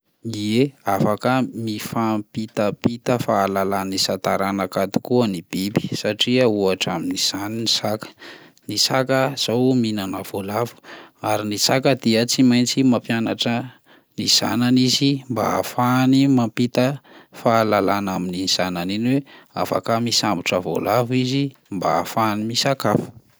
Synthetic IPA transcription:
ieafakəmifampit̪apit̪əfaːlalanisat̪aɾanakat̪u̥kuənib̥ibi̥saʈ͡ʂiəuaʈ͡ʂa̰miniz̥aninisakə̥ | nisakəz̥owminanav̥olavu̥aɾinisakəd̪iət͡simajnt͡simapjanaʈ͡ʂə | niz̥a̰nanizimba̰a̰fanimampit̪əfaːlalanaminiz̥ananinwea̰fa̰kamisambiʈ͡ʂəvo̰lavizimba̰a̰fanimisakafu̥

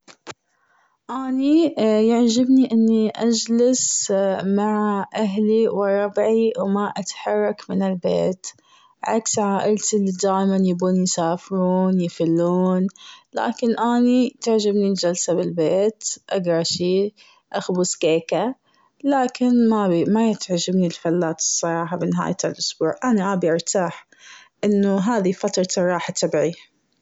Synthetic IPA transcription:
ʔaːnijaʕd͡ʒabniʔɪnːiʔad͡ʒlasmaʕʔaɦliwɪɾˤɑbʕiwmaʔat̪ħɑrˤːɑkmɪnɪlbḛːt̪ | ʕa̰ksʕaːʔɪlt̪ɪld̪aːʔɪmanjɪbuːnjsaːfɾuːnjɪfɪlːuːnla̰ːkɪnʔaːnit̪ɪʕd͡ʒɪbnild͡ʒalsabɪlbeːt̪ʔaɡɾˤɑʃiː | ʔaxbʊskeːka | laːkɪnmabmajɪt̪ʕd͡ʒɪbnilfalːaːt̪ɨ̥sˤːɑɾˤɑːħabɪnɪɦa̰ːjt̪alʔʊsbuːʕʔanaʔabiʔɪɾt̪ʰaːħ | ʔɪnːʊɦaːðifat̪ɾˤɑsɑrˤːɑːħat̪abʕi

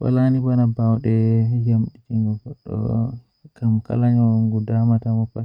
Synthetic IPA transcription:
wa̰lanibanabawɗɛjamɗitiŋɡɔɡɔɗːɔ̰ | kamka̰laɲɔŋɡudamatamɔpa

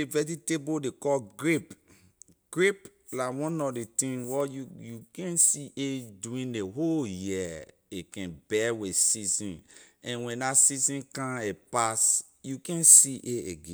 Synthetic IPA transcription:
evɛd͡ʒitebodekɔlɡɹip | ɡ̥ɹip | lawɔ̃nɔdetĩnwɔjujukɛ̃nsiʔeduĩneɦoljiɛ | ekɛ̃nbɛwesizĩnɛ̃nwɛ̃ndasizĩnkãepas | jukɛ̃nsiʔeeɡẽ

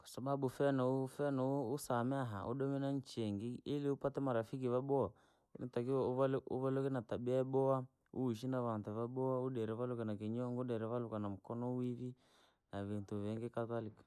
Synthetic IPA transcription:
kwḁsababufɛnɔufɛnɔuːsamɛaɦa̰ʔṵɗɔmɛnaɲt͡ʃɛŋɡiːliupatɛmaɾafik̬iβabɔa | initakiuβalʔuβalɔkinatabɛɛbɔa | uiʃ̬inaβantuβabɔauɗɛɾɛβalukanakiɲɔŋɡudɛɾɛβalukanam̩kɔnɔwiβi | naβintuβɛŋɡɛkatalikḁ

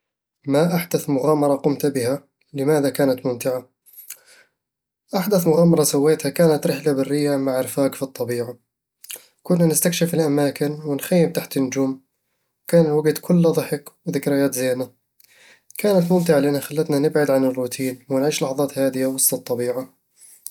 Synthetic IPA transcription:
maʔaħd̪aθmʊɣaːmɑɾˤɑqʊmt̪bɪha | lɪmaːðakaːnat̪mʊmt̪ɪʕa | ʔaħd̪aθmʊɣaːmɑɾˤɑsawːeːt̪hakaːnat̪ɾɪħlabɪrːɪjːamaʕɪɾfaːɡfit̪ˤːɑbiːʕa | kʊnːanɪst̪akʃɪfɪlʔamaːkɪnwɪnxajːɪm̚t̪aħt̪ɪnːʊd͡ʒuːm | wkaːnɪwaɡd̪kʰʊlːðˤɨħɪkwðɪkɾɪjaːt̪zeːna | kaːnat̪mʊmt̪̬ɪʕalɪʔanhaxalːat̪nanɪbʕɪd̪ʕanɪrːʊːt̪ʰiːnwɪnʕiːʃlɑħðˤɑːt̪haːd̪ɪjawɑsˤt̪ˤɑt̪ˤːɑbiːʕa

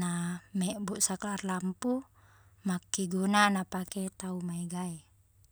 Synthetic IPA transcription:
amɛʔbuʔsaklaːrlampu | makːiɡunanapakɛt̪aumaiɡai

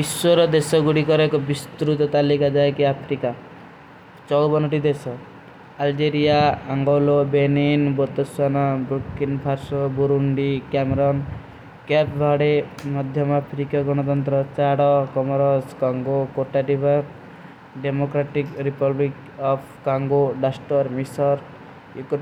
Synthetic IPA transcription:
iswɔɾɔd̪esɔɡuɽikɔɾekɔbist̪ɾut̪ɔt̪alikad͡ʒaekiapʰɾika | t͡ʃɔwbɔnɔʈid̪esɔ | ald͡ʒeɾijaaŋɡɔlobeninbot̪ɔsanabɾukinpʰaɾsɔbuɾuɳɖikameɾɔn | kɛpbʱaɽemɔd̪ʱjɔmapʰɾikaɡɔɽ̃ɔt̪̬ɔnt̪ɾɔt͡ʃaɽɔkɔmɔɾɔskɔŋɡokoʈaʈibɔɾ | ɖemokɾaʈikɾipɔblik | ɔpʰkaŋɡoɖasʈɔɾmisɔɾ | juk

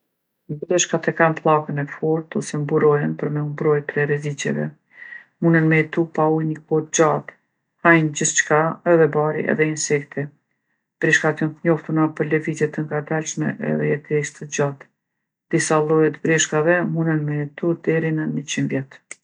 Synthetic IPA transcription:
dəd̪əʃkat̪ɛkanflˠakənɛfɔɾt̪ɔsɛmbuɾɔjɛnpəɾmɛumbɾɔjp̪ɾɛɾɛzit͡ɕɛ̰vɛ̰ | munənmɛt̪upaujnəkɔt̪̚d͡ʒat̪ | hajnd͡ʑət͡ʃkaɛðɛbaɾḭʔɛ̰ðɛinsɛkt̪ʰi | b̥ɾiʃkak̪jɔnt̪əɲɔft̪unapəɾlɛvizjɛt̪əŋɡad̪alʃmɛ̰ʔɛ̰ðɛɛt̪ʰɛʃt̪əd͡ʑat̪ | d̪̥isalˠɔjɛt̪bɾiʃkavɛmunənmɛt̪ud̪ɛɾinəmət͡ɕinvjɛt̪

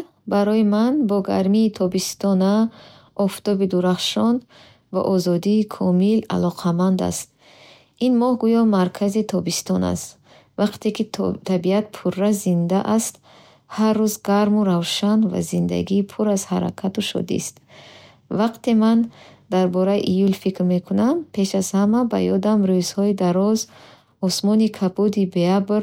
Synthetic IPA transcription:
baɾɔjimanbɔɡaɾmiːt̪ʰɔbist̪ɔna | ʔɔft̪ɔbid̪uɾaχʃɔn | va̰ʔɔzɔd̪iːkʰɔmila̰lɔqʰamand̪a̰st̪ | inmɔhɡujɔmaɾkʰazit̪ʰɔbist̪ɔna̰st̪ | vaqt̪ekit̪ʰabiat̪̚pʰurːazind̪aʔast̪ | harːuzɡaɾmuɾavʃanva̰zind̪a̰ɡiːpʰuɾazhaɾa̰kʰat̪uʃɔ̰d̪ḭst̪ | vaqt̪emand̪aɾbɔɾajiʔijulfikɾme̞kʰunampʰe̞ʃaz̥hamaba̰jɔd̪amɾøz̥hɔid̪aɾɔz | ɔsmɔnikʰabud̪ibeabɾ

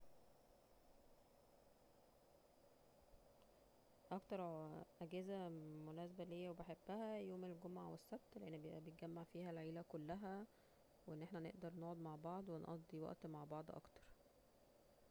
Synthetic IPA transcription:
ʔɑkt̪ɑɾˤʔæɡæːzæmonæːsæbælejːæwebeħebːæhæjoːmelɡomʕawesːæb̚t̪leʔenːʔæbejet̪ɡæmːaʕfiːhælʕiːlækolːæɦæ | weʔenːeħnænḛʔd̪ɑɾˤnoːʕod̪maʕbɑʕd̪ˤwenʔɑ̰d̪ˤːiwɑ̰ʔt̪maʕbɑʕd̪ˤʔɑ̰kt̪ɑ̥ɾˤ

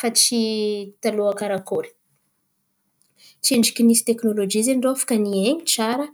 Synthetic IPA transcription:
fat͡ʃit̪aluakaɾakoɾi̥ | t͡ʃieɳɖ͡ʐikʲinisi̥t̪eknolod͡ʒizeɳɖ͡ʐoafḁkanieɲit͡saɾə

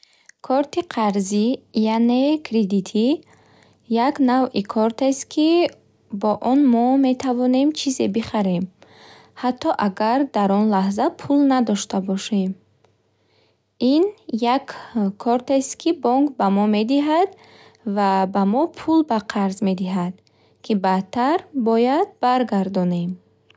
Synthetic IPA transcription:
kʰɔɾt̪iqʰaɾzijane̞kʰɾed̪it̪ʰi | jaknavikʰɔɾt̪est̪kʰi | bɔʔɔnmɔme̞t̪ʰavɔne̞mt͡ʃʰize̞biχaɾe̞m | hat̪ʰːɔʔaɡaɾd̪aɾɔnlahzapʰulnad̪ɔʃt̪abɔʃem | injakʰːɔɾt̪est̪kʰibɔŋkbamɔme̞d̪iɦad̪ | vabamɔpʰulbaqʰaɾzme̞d̪iɦad̪̚ | kʰibat̪ʰːaɾbɔjad̪̚baɾɡaɾd̪ɔne̞m

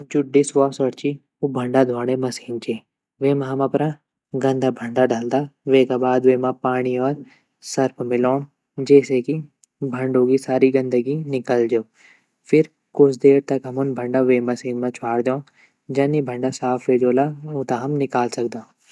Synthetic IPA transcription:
d͡ʒʊɖɪsʋaːsəɽt͡ʃi | ubʱəɳɖad̪ʱwaːɽ̃emɐsiːnt͡ʃeː | ʋeːmãɦɐmɐ̃pɾã | ɡɐ̃nd̪ʱaːbʱəɳɖaɖaːld̪aːʋeːkaːbaːd̪ʋeːmãpaːɽiɔːɾ | sɐɾpʰmɪloː | d͡ʒeːseki | bʱɐɳɖoːɡisaːɾiɡɐ̃nd̪əɡinɪkəld͡ʒeo | fʰɪɾ | kʊt͡ʃʰd̪eːɾt̪ɐkɦɐmʊnbʱəɳɖaʋeːmɐsiːnmãt͡ʃʰaːɽd̪jõː | d͡ʒɐnːibʱə̃ɳɖasaːfʰʋeːd͡ʒoːlaʊt̪aɦɐmnɪkaːlsɐk̚d̪ãː

